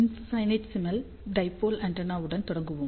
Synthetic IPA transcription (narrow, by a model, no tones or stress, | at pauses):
inssɐjnɐtsimɐl | ɖɐjpːoːlɐɳɖɐnaːʋuɽɐnt̪uɽɐŋɡuʋum